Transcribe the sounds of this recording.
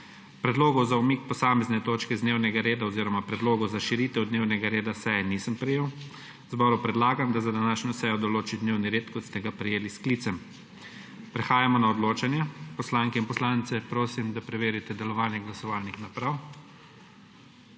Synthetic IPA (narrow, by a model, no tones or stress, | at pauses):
pɾɛd̪loːɡɔwzaumiːk̚pɔsaːmɛznɛt̪oːt͡ʃkɛzd̪neːwnɛɡaɾeːd̪aɔziɾɔmapɾɛd̪loːɡɔwzaʃiɾiːt̪ɛwd̪neːwnɛɡaɾeːd̪asɛjɛnisəmpɾɛjeːw | zbɔːɾupɾɛd̪laːɡamd̪azad̪anaːʃnʲɔsɛjɔd̪ɔloːt͡ʃid̪neːwniɾeːt̪kɔt̪st̪ɛɡapɾɛjeːliskliːt̪sɛm | pɾɛxaːjamɔnaɔd̪loːt͡ʃanjɛpɔslaŋkɛinpɔslaːnt̪sɛpɾoːsimd̪apɾɛʋeːɾit̪ɛd̪ɛlɔʋaːnjɛɡlasɔʋaːlnixnapɾaw